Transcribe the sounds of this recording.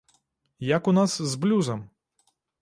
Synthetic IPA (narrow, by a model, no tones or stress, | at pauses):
jakunaszblʲuzɐm